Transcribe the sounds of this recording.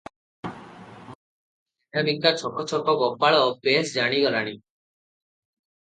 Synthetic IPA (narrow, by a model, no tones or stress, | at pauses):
inabiŋkat͡ʃʰɔkɔt͡ʃʰɔkʰɔɡɔpaɭɔpesd͡ʒaɽ̃iɡɔɾaɽ̃i